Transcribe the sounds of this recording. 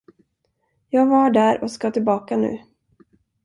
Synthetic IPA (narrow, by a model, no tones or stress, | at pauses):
jɑːɡvaɖæːɾɔskat̪ʰɪlbɑːkanʉ̟̰ː